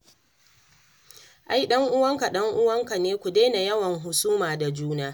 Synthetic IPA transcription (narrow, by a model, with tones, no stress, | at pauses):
ʔa˦jɗɐ˦ŋʔʊ˦wɐ˦ŋka˨ɗɐ˦ŋʔʊ˦wɐ˦ŋka˨neː˦kʷu˨deː˦na˨jɐ˦wɐ˨ŋɦʊ˨suː˦maː˨da˨d͡ʒuː˦naː˦